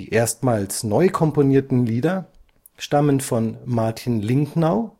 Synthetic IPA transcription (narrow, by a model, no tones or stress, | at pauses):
ʔeːɐstmaːlsnɔʏkʰɔmponiːɐtn̩liːdɐ | ʃtamənfɔnmaɐtʰinlɪŋknaʊ